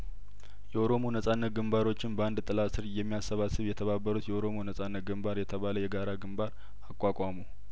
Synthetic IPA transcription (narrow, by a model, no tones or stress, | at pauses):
jɛoɾo̞monəsʼanːət̪̚ɡɨmbaɾo̞t͡ʃːɪnbəand̪t̪ʼɨlasɨɾjɛmːijasːəβasːɨβjɛt̪ʰəβabːəɾut̪jɛoɾo̞monəsʼanːət̪̚ɡɨmbaɾjɛt̪ʰəβaləjɛɡaɾaɡɨmbaɾ | akʼwakʼamu